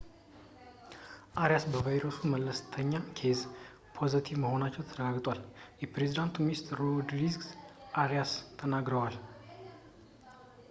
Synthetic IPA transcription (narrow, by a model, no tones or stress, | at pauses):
ʔaɾjasbəvajɾosumələst̪ʰəɲːakʰe̞z | pʰo̞zət̪ʰivməho̞nat͡ʃːɛwt̪ʰəɾəɡaɡt̪ʼwaljɛpɾe̞zid̪ant̪ʰuminst̪ʰɾːod̪ɾiɡʔaɾjast̪ʰənaɡɾəwal